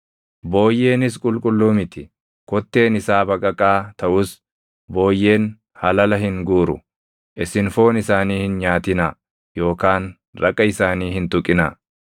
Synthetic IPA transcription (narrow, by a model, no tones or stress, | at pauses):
bo̞ːjːe̞ːnɪskʼʊlkʼʊlːuːmɪt̪ɪ | kɔt̪ːe̞ːnɪsaːbɐkʼɐkʼːaːt̪ɐʔʊs | bo̞ːjːe̞ːn | hɐlɐlɐɦɪŋɡuːɾʊ̰ | ʔɪsɪnfo̞ːnɪsaːniːhɪnɲaːt̪ɪna | jo̞ːkaːn | ɾɐ̰kʼːɐɪsaːniːhɪnt̪ʊkʼːɪna̰ː